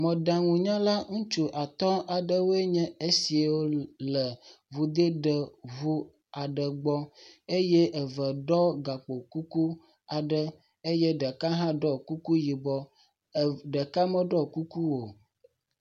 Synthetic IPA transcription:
mə̃˨ɖã˨ŋũ˨ɲã˦la˦ŋũ˦t͡ʃu˦ʔa˨t̪ɔ˦a˨ɖə˦wo˦e˦ɲɛ̃˦e˦si˨wo˦lə˨vu˨d̪ə˦ɖə˨vu˦ | a˨ɖə˨ɡ͡bɔ˦e˦jɛ˦ʔə˨və˨ɖɔ˦ɡa˨k͡po˨ku˦ku˦ | a˨ɖə˦ | e˦jɛ˦ɖə˨ka˦ɦã˦ɖɔ˦˨ku˦ku˦ji˨bɔ˦˨ | ɖə˨ka˦mə̃˦ɖɔ˦ku˦ku˦wo˨

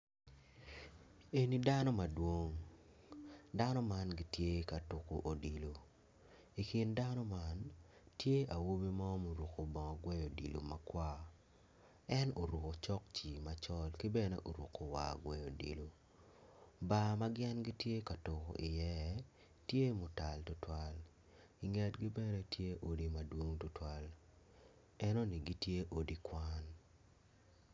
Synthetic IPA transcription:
e˨ni˨˦da˦nɔ˦ma˨dwo˦ŋ | da˦nɔ˦ma˦nɡi˦tje˦ka˨to˨ko̰˨ʔo˨di˨lo˨ | i˨ki˨nda˦nɔ˦ma˦ntje˦a˨wo˦bi˦mɔ˦mo˨ɾu˨ko˨bɔ˨ŋɔ˨ɡwɛ˦jo˨di˨lo̰˨ma̰˦kwa˦ | ɛ˦no˨ɾu˨ko˨t͡ʃɔ˦kt͡ʃi˨ma˨t͡ʃɔ˦lkɪ˦bɛ˦nḛ˦ʔo˨ɾṵ˨ko˨wa̰˨ɡwɛ˨jo˨dḭ˨lo˨ | ba˦ma˦ɡɪɛ˦nɡi˦tje˦ka˨to˨ko̰˨ʔi˨jɛ˦ | tje˦mʊ˨ta˨ltʊ˦twa˦l | i˨ŋɛ˨tɡi˦bɛ˦ne˦tʰje˦ʔo˦di˦ma˨dwo˦ŋtʊ˦twa˦l | ɛ˦no˦ni˨ɡi˦tje˦ʔo˨di˦kwa˦n

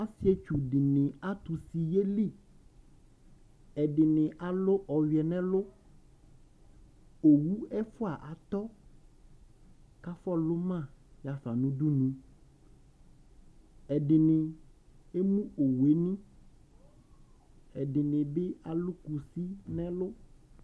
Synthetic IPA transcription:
a˦si˦ɛ˦t͡ʃu˨ɖɪ˨nɪ̃˨a˦t̪u˨si˨je˦li˦˨ | ɛ˨ɖɪ˨nɪ̃˨ʔa˨lʊ˦ʔɔ˨wi˨ɛ˨nɛ̃˦lʊ˦ | o˨wu˦ɛ˦fʊ˦a˨ʔa˨t̪ɔ˦ | ka˦fɔ˦lʊ˦mã˦˨ja˨fa˨nũ˦du˦nũ˦ | ɛ˨ɖɪ˨nɪ̃˨ | e˦mũ˦o˨we˦nĩ˦ | ɛ˨ɖɪ˨nɪ̃˨bɪ˦a˦lʊ˦ku˨si˦nɛ̃˦lʊ˦

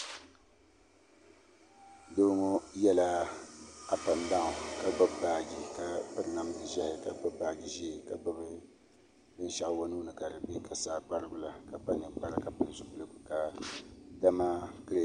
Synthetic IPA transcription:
do˦ŋo˦jɛ˦la˦ | a˦pa˨nba˦ŋʊ˨ka˨ɡ͡bɔ˦bbaː˨ɡi˨ka˨pɨ˦ɾna˨m˦dɨ˨ʒɛ˦hɪ˦ka˨ɡ͡bɔ˦ba˨ɡi˨ʒe˦˨ka˨ɡ͡bɔ˦bɨ˦ | bɨ˦n˦ʃa˦ʔwo˦nu˦nɨ˨ka˨ɾɨ˨be˦ka˨saː˦k͡pa˦ɾɨ˦ɡʊ˦la˨ka˨pa˦nɨ˨ɡ͡ba˦ɾɨ˦ka˨pɨ˦ɾɨ˨zʊ˨bu˦lɨ˦˨kʊ˨ka˨ | da˦ma˦kɨ˦ɾe˨

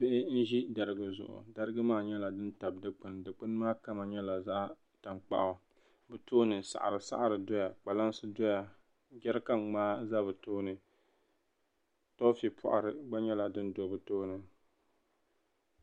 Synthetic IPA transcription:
pɪ˦ʔɪ˦n̩˦ʒi˦da˨ɾɨ˦ɡɨ˦zʊ̰˨ʔʊ̰˨da˦ɾɨ˦ɡɨ˦maː˦˨ɲɛ˦la˨dɨ˦nta˨b̚dɨ˦k͡pɨ˨ndɨ˨k͡pɨ˦n˦maː˦ka˦ma˨ɲɛ˦la˨za˦ʔ | ta˨mk͡pa̰˦ʔʊ˨ | bɨ˨toː˦nɨ˨sa̰˨ʔa̰˨ɾɨ˨sa̰˦ʔa˦ɾɨ˨dɔ˦ja˨k͡pa˨la˦nsɨ˦do˦ja˨ | ɡʲɛ˦ɾka˦ŋŋ͡maː˦za˦bɨ˨toː˦nɨ˨ | to˦fi˨pʰʊ˨ʔa̰˨ɾɨ˨ɡ͡ba˦ɲɛ˦la˨dɨ˦ndo˨bɨ˨toː˦nɨ˨

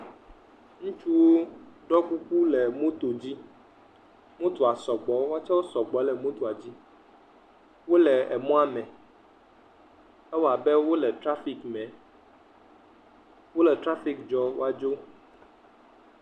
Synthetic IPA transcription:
ŋũ˦t͡ʃu˦wo˦ɖɔ˦ku˦ku˦lɛ˨mũ˦t̪o˨d͡ʑi˦ | mõ˦t̪o˨a˨sɔ˨ɡ͡bɔ˨wo˦a˦t͡ʃɛ˦wo˦sɔ˨ɡ͡bɔ˨˦lɛ˨mõ˦t̪o˨a˨d͡ʑi˦ | wo˦lɛ˨ɛ˨mɔ̃˦a˨mɛ̃˨ | ɛ˦wa˨bɛ˦wo˦lɛ˨t̪ɾa˦fi˨kmɛ̃˨ | wo˦lɛ˨tɾa˦fi˨kd͡ʒɔ˨wo̰˦a˦d͡ʒo˦

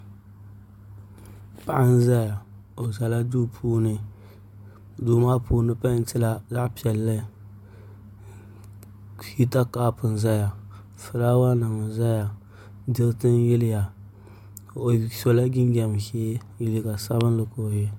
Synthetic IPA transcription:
pa˨ʔa˦n˦za˦ja˨ | o˨za˨la˦du˦pʰuː˦nɨ˦ | duː˨ma˦puː˦nɨ˦pa˦˨n˦tɨ˦la˦za˦ʔpi˨ɛ˨lːɨ˦ | hi˦ta˦kaː˦pɨ˨n˨za˦ja˨ | fɨ˨la˦wa˦nɨ˨ŋ˨za˦ja˨ | dɨ˦ɾtɨ˦n˦jɪ˦lɪ˦ja˨ | o˨so˨la˦ɡɪ˦nɡʲɛ˨mheː˦ | ji˦˨lɪ˦ka˨sa˦βɨ˦n˦lɨ˦ko˨jɛ˦

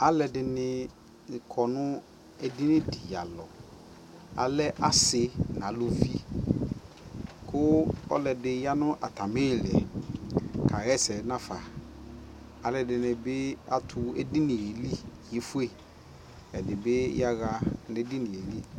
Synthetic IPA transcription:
a˨lɛ˨dɪ˨nɪ˨ | kʰɔ˨nʊ̃˦ | ɛ˦dɪ˦nɪ̃˦di˨ja̰˨lɔ˨ | a̰˨lɛ˦ʔa˦sɪ˨nã˨˦lʊ˦vi˦ | kʰʊ˦ɔ̰˦lɛ˨dɪ˨ja˦nʊ̃˦ʔa˨ta˨mɪ˦˨lɛ̰˨ | kʰa˨ɣɛ˦sɛ˨˦nã˦fa˨ | a˨lɛ˨dɪ˨nɪ̃˨bɪ˦a˦tʰʊ˨ɛ̰˦dɪ˦nɪ̃˨je˨li˦jɪ˨fʊ˦e˨ | ɛ˨dɪ˨bɪ˦ja˦ɣa˨nɪ˦dɪ˦nɪ̃˨je˨li˦

